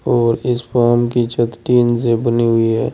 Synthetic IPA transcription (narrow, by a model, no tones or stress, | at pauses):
ɔːɾɪspaːɾmkit͡ʃət̪ʈiːnsebəniɦʊiɦɛː